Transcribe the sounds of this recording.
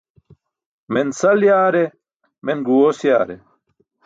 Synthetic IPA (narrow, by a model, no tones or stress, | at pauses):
mensɐljaːɾe | menɡuwosjaːɾe